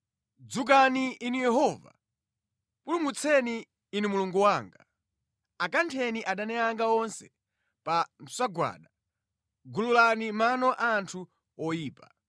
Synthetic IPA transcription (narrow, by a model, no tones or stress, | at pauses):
d͡zuk̬aniinijɛɦɔva̰ | pulumut͡sʰɛniː | nimuluŋɡuwaːŋɡa | akantʰɛniʔaɗanɛaŋɡaɔnsɛ̥ | pansaɡwa̰ːɗa | ɡululanimanɔʔantʰu | ɔjiːpa